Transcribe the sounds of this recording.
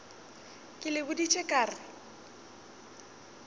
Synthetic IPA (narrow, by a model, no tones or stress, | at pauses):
kʼɪlɪbʊdit͡ʃʼekʼaːrɪ